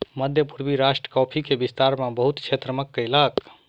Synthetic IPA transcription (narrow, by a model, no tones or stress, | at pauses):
məd̪ʱjəpuɾbiɾaʃʈɾə̥kɔpʰikebist̪aɾmabəɦut̪kʰet̪ɾəməkːəjlək